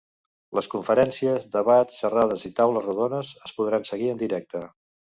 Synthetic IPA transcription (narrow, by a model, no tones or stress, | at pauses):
ləskuɱfəɾɛnsiəzðəβat̪sːərað̞əzit̪awləzruðonəzəspuðɾansəɣiənd̪iɾɛk̚t̪ə